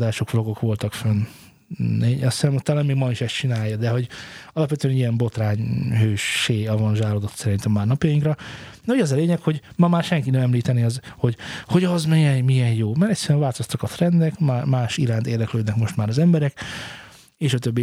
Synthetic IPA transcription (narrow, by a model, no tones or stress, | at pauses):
d̪aːʃo̞kflo̞ɡo̞kʋo̞lt̪ɒkfønː | eɒsɛmut̪ːaːlameːɡmɒiʃɛst̪t͡ʃinaːjɒd̪ɛɦo̞ɟɒlɒpvɛt̪øɛniɛmbo̞t̪raːɲɦøːʃːeːɒvɒnʒaːlod̪o̞t̪sɛɾint̪ɛmːaːrnɒpjɒjiŋkrɒd̪ɛhoɟɒzɒleːɲɛkho̞ɟmɒmaːrʃɛŋkinɛmɛmliːt̪ɛniɒzho̞ɟho̞ɟɒzmiɛnmijɛjjoːmaɾɛc̪ʲsɛɾyɛɱvaːlt̪ost̪ɒkɒt̪rɛnd̪ɛkmamaːʃiɾaːnt̪eːrd̪ɛkløːd̪nɛkmo̞ʃt̪maːɾɒzɛmbɛɾɛk | eːʃɒt̪øbːi